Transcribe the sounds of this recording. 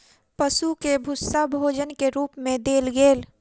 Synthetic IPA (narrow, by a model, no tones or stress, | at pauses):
pəsukebʱʊsːabʱoːd͡ʒənkeɾuːpmẽd̪eːlɡeːl